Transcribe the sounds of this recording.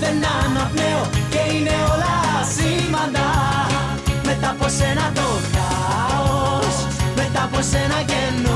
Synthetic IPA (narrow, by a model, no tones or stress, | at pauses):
ðenːɐnɐpneoceineolɐsimɐnd̪ɐ | met̪ɐposenɐt̪o | ka | os | met̪ɐposenɐʝenːo